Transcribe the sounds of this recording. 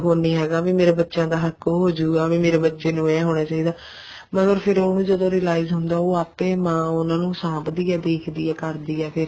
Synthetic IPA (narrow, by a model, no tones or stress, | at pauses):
ɦoːniːɦɛːɡaːʋĩːmeːɾeːbətːʃãːd̪aːɦəkːoɦoːd͡ʒuːɡaːʋĩːmeːɾeːbətːʃeːnũːɛ̃ːɦoːnaːt͡ʃaːiːd̪aː | məɡəɾpʰɪɾoːnũːd͡ʒəd̪õːɾɪːəlaːizɦʊnd̪aːoːaːpẽːmãːʊnãːnũːsãːbd̪iːɛːd̪eːkʰd̪iːɛːkəɾd̪iːɛːpʰɪɾ